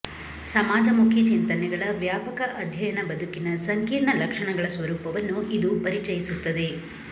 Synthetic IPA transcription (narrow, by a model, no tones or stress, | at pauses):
sɐmaːd͡ʒɐmukʰjɐt͡ʃint̪ɐnɛɡɐɭɐʋjaːpɐkɐʔɐd̪ʱjɐjɐnɐbɐd̪ukinɐsɐŋkiːɾɳɐlɐkʂɐɳɐɡɐɭɐsʋɐɾuːpɐʋɐnːuid̪upɐɾit͡ʃɐjisut̪ːɐd̪e̞